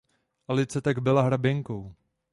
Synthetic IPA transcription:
ʔalɪt͡sɛt̪aɡbɪlaɦɾabɪŋkow

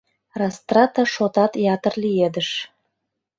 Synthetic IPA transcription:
rɑst̪rɑt̪ɑʃot̪ɑt̪jɑt̪ərlijed̪əʃ

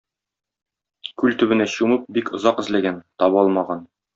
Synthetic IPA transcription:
kʉlt̪ɵ̆bɘ̆næɕumɤp̚bikʰŏzɑqɘ̆zlæɡænt̪ɒβɒlˠmɑʁɑn

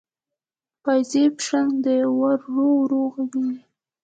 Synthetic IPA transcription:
pajzepʃand̪əwaɾːowɾoɣawi

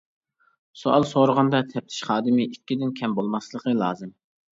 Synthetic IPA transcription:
soɑ̰lˠsoɾʊʁɑnd̪ɑt̪ʰɛp̚t̪ʰɪ̥ʃχɑːd̪ɨmɪʔikʲːid̪ɪnkʲʰɛmbolˠmɑslˠəqəlˠɑ̰ːzɨm

